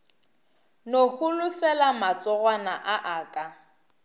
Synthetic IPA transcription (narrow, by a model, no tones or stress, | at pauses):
nohʊlʊfɛlamat͡sʼɔɣwanaʔaʔaːkʼa